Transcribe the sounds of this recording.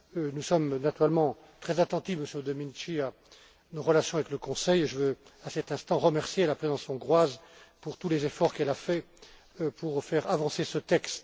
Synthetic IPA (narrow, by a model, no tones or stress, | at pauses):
nusɔmnat̪yʁɛlmɑ̃ | t̪χɛzat̪ɑ̃t̪ifməsjød̪ɔminʃia | noʁəlasjɔ̃avɛkləkɔ̃sɛjeʒəvøasɛt̪ɛ̃st̪ɑ̃ʁəmɛʁsjelapχezɑ̃sjɔ̃ɡʁwazpuʁt̪ulezefɔʁkɛlafɛ | pʰuʁfɛʁavɑ̃sesət̪ɛkst̪